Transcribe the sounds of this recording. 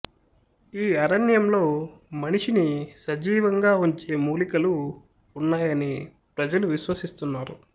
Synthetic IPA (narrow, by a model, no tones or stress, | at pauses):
iːɐɾɐnjɐmlo̞ːmɐniʂinisɐd͡ʒiːʋɐŋɡaːuɲt͡ʃe̞ːmuːlikɐluː | nːaːjɐni | pɾɐd͡ʒɐluʋiʃʋɐsist̪unːaːɾu